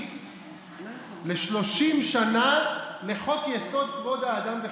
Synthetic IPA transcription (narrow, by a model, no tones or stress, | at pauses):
leʃlo̞ʃimʃanale̞χo̞kjeso̞d̪̚kvo̞d̪aːd̪amve